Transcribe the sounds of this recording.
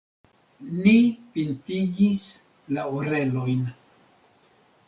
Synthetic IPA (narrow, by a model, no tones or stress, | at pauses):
lipintiɡis | laoɾe̞lo̞jn